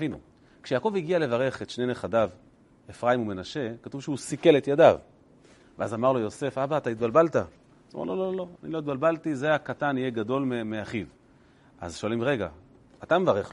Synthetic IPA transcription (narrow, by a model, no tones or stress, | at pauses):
avinṵ | kʃejaːko̞viɡiale̞vaʁe̞χet̪ʃneneχadav | efʁaimume̞naʃe̞kat̪uvʃeusike̞let̪jadav | veazamaʁlo̞jo̞se̞fabaːt̪ait̪̚balbalt̪a | zo̰mḛʁlo̞lo̞lolo̞anilo̞jit̪̚balbaltize̞akatanijeɡado̞lmemeaχiv | ʔa̰zʃo̞alimʁe̞ɡa̰ | at̪amevaʁeχ